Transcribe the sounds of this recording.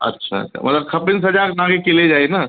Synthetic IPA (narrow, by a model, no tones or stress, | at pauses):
ɐ̰tːʃʰa̰ɐ̰tːʃʰa̰mɐ̰t̪ləb̚kʰɐpɪnsɐd͡ʒaːknãɡekɪled͡ʒaːena